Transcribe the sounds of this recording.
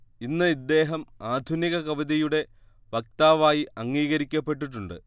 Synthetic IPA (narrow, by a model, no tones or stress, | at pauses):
inːɨid̪ːe̞ːɦɐmaːd̪ʱuniɣɐkɐʋiðijuɽe̞ | ʋɐk̚t̪aːʋaːjiɐŋːiːɣɐɾikʲːɐpːe̞ʈ̬ːiʈ̬ːuɳɖɨ